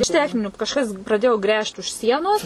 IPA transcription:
ɪʃ ˈtʲæːxʲnʲɪnʲuː kɐʃˈkɐs prɐˈdʲeːjoː ˈɡrʲæːʃt ʊʃ ˈsʲiɛnoːs

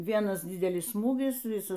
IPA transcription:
ˈʋʲiɛnɐs ˈdʲɪdʲɛlʲɪs ˈsmuːɡʲɪs ˈʋʲɪsɐs

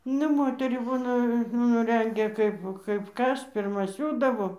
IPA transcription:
ˈnʲɛ ˈmoːtʲɛrʲiː ˈbuːnɐ nʊ ˈrʲɛŋʲɡʲɛ ˈkɐɪp kɐɪp ˈkɐs pʲɪrˈmɐ ˈsʲuːdɐʋoː

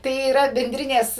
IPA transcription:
tɐɪ iːˈrɐ bʲɛnʲˈdʲrʲɪnʲeːs

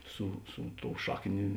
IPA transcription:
ˈsʊ ˈsʊ ˌtoːʊ ˈʃɑːkˌnʲeː

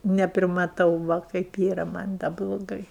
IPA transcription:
nʲɛpʲrʲɪmɐˈtɐʊ ˈʋɐ kɐɪp ˈiːrɐ ˈmɐnʲ dɐ blˠoːˈɡɐɪ

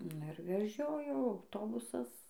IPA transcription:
ˈnʊ ɪr ʋʲɛˈʒʲoːjoː ɐʊˈtoːbʊsɐs

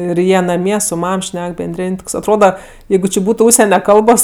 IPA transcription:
ɪr ˈjiɛ nɐˈmʲiɛ sʊ ˈmɐm ˈʃʲnʲɛk bʲɛnʲˈdʲrʲeːnʲ ˈtoːks ɐtˈroːdɐ ˈjɛɪɡʊ t͡ʃʲɪ ˈbuːtʊ ˈʊʃʲsʲɛnʲɛ ˈkɐlˠboːs

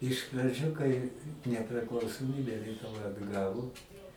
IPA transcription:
ɪʃ prɐˈd͡ʒʲʊ kɐɪ nʲɛpʲrʲɪklˠɐʊsoːˈmʲiːbʲɛ lʲiɛtʊˈʋɐ ɐdˈɡɑːʋoː

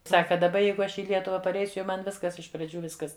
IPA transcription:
ˈsɑːkɐ dɐˈbɐ ˈjɛɪɡʊ ˈɐʃ ɪ ˈlʲiɛtʊʋɐ pɐrʲˈɛɪsʲʊ jɛʊ ˈmɐn ˈʋʲɪskɐs ɪʃ prɐˈd͡ʒʲuː ˈʋʲɪskɐs

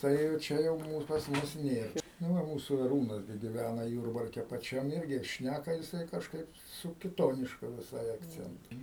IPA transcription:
ˈtɐɪ jɛʊ ˈt͡ʃʲɛ jɛʊ ˈmuːs pɐs ˈmʊs ˈnʲeːr nʊ ˈʋɐ ˈmuːsuː ɐˈruːnɐs ɡʲɪ ɡʲɪˈʋʲænɐ ˈjuːrbɐrʲkʲɛ pɐˈt͡ʃʲɛm ˈɪrʲɡʲɪ ˈʃʲnʲækɐ jɪˈsɐɪ kɐʃˈkɐɪp sʊ kʲɪˈtoːnʲɪʃkʊ ʋʲɪˈsɐɪ ɐkˈt͡sʲɛntʊ

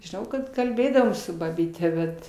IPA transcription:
ʒʲɪˈnɐʊ kɐt kɐlʲˈbʲeːdɐʋoːm sʊ bɐbʲiːˈtʲɛ ˈbʲɛt

